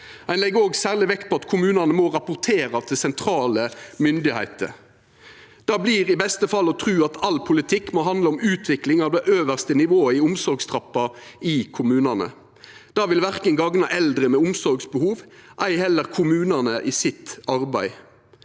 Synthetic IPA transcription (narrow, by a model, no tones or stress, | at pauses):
æɪnlɛɡːoːɡsæːʁlɪʋɛkt̪̚pʰɔɑt̪kʰʊmʉːnɑnəmɔʁɑpʊʁt̪ʰeːɾɑt̪ʰɪsɛnt̪ʰɾɑːləmʏnd̪ɪhæ̰ɪt̪ə̰ | d̪̥ɑːbliːɾɪbɛst̪əfɑlːɔt̪ʰʁʉːɑt̪ʰɑlːpʰʊlɪt̪ʰɪkːmɔɦɑnd̪ləɔmʉːt̪ʰʋɪklɪŋɑʋd̪ɛʔøːʋəʁst̪ənɪʋoːəɪʊmsɔɾɡst̪ʰʁɑpːɑɪkʰʊmʉːnɑnə̰ | d̪̥ɑːʋɪlʋæʁkənɡɑŋnɑʔɛld̪ɾəmɛʊmsɔɾɡsbəhuːʋʔæɪhɛlːəʁkʰʊmʉːnɑnəʔɪːsɪt̪ɑɾbæɪ